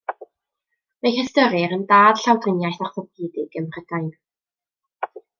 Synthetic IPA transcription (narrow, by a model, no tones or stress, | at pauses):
mejhɪstəɾɪɾəndaːd̥ɬawdrɪnjajθɔχɔp̚ʰiːdɪɡ̥əmr̥əd̥ajn